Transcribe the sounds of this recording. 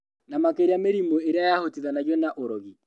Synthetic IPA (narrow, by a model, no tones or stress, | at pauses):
namakeɾeameɾimoeɾeajahotiðanaɣɛnaʔoɾɔɣi